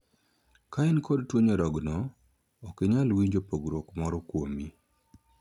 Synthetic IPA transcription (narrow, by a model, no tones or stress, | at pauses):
kaɛnkɔdtwoɲɔɾɔɡnɔː | keɲalwiɲd͡ʒopoɡɾokmɔɾɔkwomi